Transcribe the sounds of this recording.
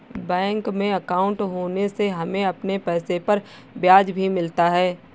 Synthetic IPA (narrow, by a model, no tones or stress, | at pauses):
bɛ̃ːŋkmẽɐkaːʊ̃ɳʈɦoːneseɦɐmẽɐpnepɛːsepɐɾ | bjaːd͡ʒbʱimɪlt̪aɦɛː